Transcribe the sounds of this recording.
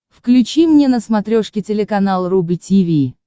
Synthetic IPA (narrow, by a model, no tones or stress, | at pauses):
fklʲʉt͡ɕimnʲenəsmɐt̪ɾʲoʂkʲɪtʲɪlʲɪkɐnalˠrubɨtʲivʲi